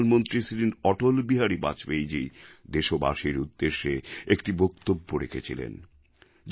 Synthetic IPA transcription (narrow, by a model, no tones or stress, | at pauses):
nmont̪ɾisiɾiɔʈolbiɦaɾiba̰t͡ɕbejd͡ʑijd̪eʃoba̰ʃiɾud̪ːeʃːeekʈibok̚t̪obːoɾekʰet͡ɕʰilḛn | d͡ʑ